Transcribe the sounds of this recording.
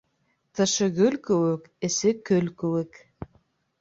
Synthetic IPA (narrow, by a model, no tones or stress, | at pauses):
t̪ʰɤ̆ʃɤɣɵlʲkɵwɘk | ɘ̆sɘkɵlkɵ̆wɘk